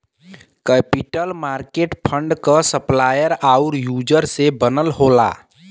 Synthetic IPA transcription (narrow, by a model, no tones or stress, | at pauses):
kɛpiʈəlmaɾkeʈpʰəɳɖkəsəplajəɾauɾjud͡ʒəɾsebənəlɦola̰